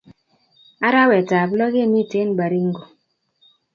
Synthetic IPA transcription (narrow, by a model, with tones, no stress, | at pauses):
a˦ɾa˦wɛ˨ta˨blɔ˦ɣe˦mi˦˨te˦n˦ba˨ɾi˦ŋ˦ɡo˨